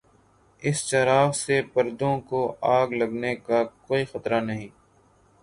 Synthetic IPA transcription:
ɪst͡ʃɐɾaːʋsepɐɾd̪õkoaːɡlɐɡnekakoːixɐt̪ɾanɐɦĩː

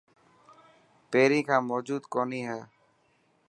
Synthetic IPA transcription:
peːɾĩːkʰãːmoːd͡ʒuːd̪koːniːɦɛː

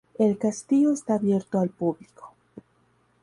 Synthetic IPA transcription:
elkast̪io̞est̪aːbje̞ɾt̪oalpubli̥ko̥

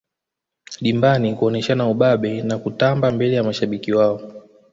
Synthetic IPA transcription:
ɗimbanikuɔnɛʃanauɓaɓɛnakutambambɛlɛjamaʃaɓikiwaɔ

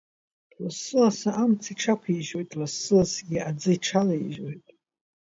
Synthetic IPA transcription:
lasɨlasaʔamt͡sʰiʈ͡ʂʰakʷʰiiʒo̞jtʼlɨsːɨlasɡʲiad͡zɨiʈ͡ʂʰalaiʒojtʼ

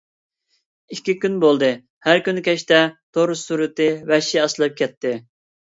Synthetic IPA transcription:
ikʲːikʲynbolˠd̪ɨ | hæɾkʲynkʲʰɛʃt̪ɛt̪ʰoɾʊsuɾɨt̪ɨwɛʃiɑslˠɨp̚kʲʰɛt̪ʰːɪ

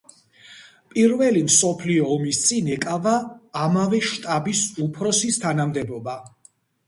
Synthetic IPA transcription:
pʼiɾvɛlimsɔpʰliɔːmist̪sʼinɛkʼavaːmavɛʃt̪ʼabisupʰɾɔsist̪ʰanamd̪ɛbɔba

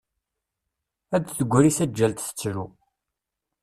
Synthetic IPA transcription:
æd̪θəɡʷːɾisæd͡ʒːælt̪θə̥t͡sːɾu

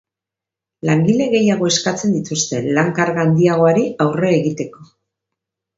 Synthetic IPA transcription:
laŋɡile̞ɣe̞jaɣ̞o̞e̞skat͡se̞nd̪it̪ust̪e̞laŋkaɾɣand̪iaɣ̞o̞aɾiawre̞ːɣit̪e̞ko̞

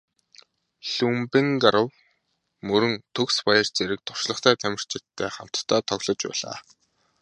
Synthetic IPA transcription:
ɬumpĭŋɡaɾə̆w | mɵɾɵ̆nt̪ʰɵkspajə̆rt͡seɾɘ̆k̚t̪ʰʊ̥r̥ʃɮə̆χt̪ʰæːt̪ʰæmʲɪ̆r̥t͡ɕʰɪt̪ʰːeːχam̥t̪ʰːaːt̪ʰɔɣɮɞ̆t͡ɕpæ̰ːɮa̰ː

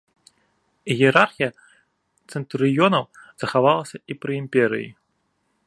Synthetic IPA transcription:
jʲɛɛɾarxʲijɐ | t̪sɛnt̪ɾɨjɔnɐwz̥ɐxavalˠɐsʲɐipɾɨimpʲɛɾɨ̰jḭ

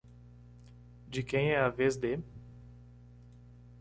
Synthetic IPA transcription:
d͡ʒɪkẽj̃ɛɐvezd̪e

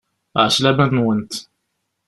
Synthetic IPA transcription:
ʕaʃlæbæt̪nwənt̪

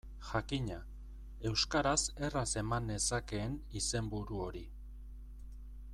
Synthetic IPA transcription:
ʝakiɲa | e̞wskaɾase̞rase̞mane̞sake̞ːnise̞mbuɾuo̞ɾi

